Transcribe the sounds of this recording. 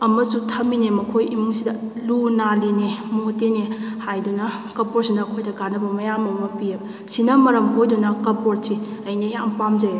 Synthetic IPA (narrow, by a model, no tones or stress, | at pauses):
ɐmɐsutʰɐmbinemɐkʰojimusidɐlunalinemotenehajdunɐkɐpoɾsinɐːkʰojdɐɡanɐbɐmɐjamɐwmɐpijɐb | sinɐmɐɾɐmɦojdunɐkɐpoɾ̚siɐjnijampamzɐj